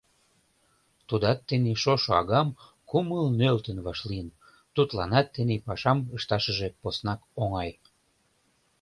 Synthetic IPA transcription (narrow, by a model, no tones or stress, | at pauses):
t̪ud̪ɑt̪ːeniʃoʃoɑ̰ɣɑm | kuməlnølt̪ənβɑʃliən | t̪ut̪lɑnɑt̪ːenipɑʃɑməʃt̪ɑʃəʒeposnɑkoŋɑj